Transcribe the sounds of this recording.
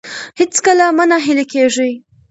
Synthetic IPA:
hɪt͡skəlamanaɦɪlekeʐij

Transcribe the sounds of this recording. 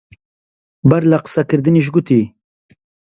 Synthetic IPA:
baɾlaqə̥sakɨɾd̪ɨniʃ̬ɡut̪i

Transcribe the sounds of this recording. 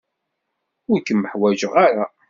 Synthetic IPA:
ʊɾkːənːəħwæʒəʁaɾa

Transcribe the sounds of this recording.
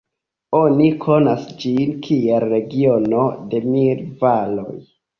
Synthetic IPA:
o̞nikʰo̞nasd͡ʒinkʰielːe̞ɡiono̞de̞milvalo̞̰j

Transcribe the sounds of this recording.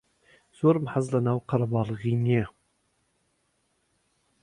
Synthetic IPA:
z̥oɾmħazlˠɑnɑwqʰɑɾɑbɑlˠəʁinʲe

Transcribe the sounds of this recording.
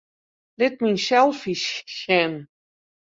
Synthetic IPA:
lɪt̚minsɛlˠfiʃxɛn

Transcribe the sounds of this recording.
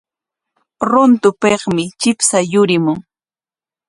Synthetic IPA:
ɾont̪ʊpeχmɪt͡ʃɪpsajʊɾɪmʊŋ

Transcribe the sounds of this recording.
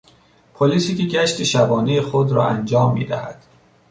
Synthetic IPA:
pʰoliːsiːceɟæʃt̪ʰeʃæbɒːnejexod̪ɾɒ̰ːʔænd͡ʒɒːmːḭːd̪æ̰hæd̪̥

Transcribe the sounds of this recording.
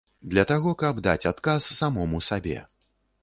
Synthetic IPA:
d̪lʲɐt̪aɣɔkɐb̚d̪a̰t͡sʲat̪kasːamɔmusabʲɛ̰

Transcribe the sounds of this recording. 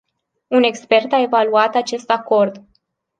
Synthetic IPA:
une̞kspe̞rt̪ae̞valuat̪at͡ʃe̞st̪ako̞rd̪

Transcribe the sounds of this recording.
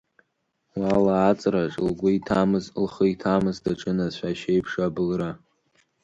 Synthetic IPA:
walaːt͡sʼraʈ͡ʂʼlɡʷʊitʰamɨzlχəitʰamɨzdaʈ͡ʂʼɨnaʃʷaʃejpʰʂabɨlra

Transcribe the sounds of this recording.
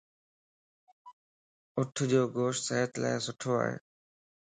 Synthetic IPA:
ʊʈʰd͡ʑoːɡoːʃʈsəɦət̪la̰ːɪsʊʈʰoːa̰ːɦḛː

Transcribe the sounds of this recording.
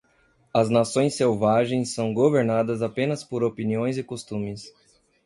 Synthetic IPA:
ɐznasõj̃sːewvaʒẽj̃sːɐ̃w̃ɡoveɾnad̪ɐzapẽnɐspoɾopiniõj̃zɪkost̪ũmɪs

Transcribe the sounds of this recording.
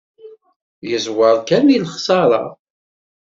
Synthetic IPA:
jəzwəɾˤkæmilχsɑɾˤɑ̰

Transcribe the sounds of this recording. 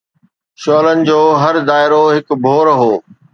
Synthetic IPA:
ʃɔːlənɪ̆d͡ʑoːɦɐɾd̪aːɪɾoɦɪkbʱoːɾɦoː

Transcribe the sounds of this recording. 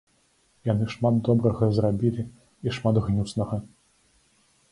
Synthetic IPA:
janɨʂmad̪d̪ɔbɾɐɣɐzɾabʲilʲi | iʂmad̪ɣnʲusnɐɣɐ

